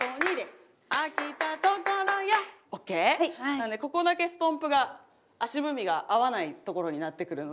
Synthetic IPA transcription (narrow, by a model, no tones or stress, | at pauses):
oɲ̟id̪es | akʲit̪at̪okoɾojaokːe̞ːand̪eko̞ko̞d̪ake̞sɨ̥t̪õ̞mpɯ̟ɡa | aɕibɯ̟mʲiɡaʔaβanait̪o̞ko̞ɾo̞ɲ̟inat̪ːe̞kɯ̟ɾɯ̟no